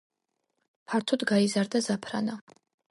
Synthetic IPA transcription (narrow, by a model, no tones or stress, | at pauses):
pʰaɾt̪ʰɔd̪ɡaizaɾd̪azapʰɾa̰na